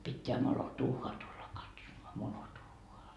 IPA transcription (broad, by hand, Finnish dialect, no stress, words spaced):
pitːeæ molotuːɑː tulːɑ kɑtsomoɑ molotuːoɑ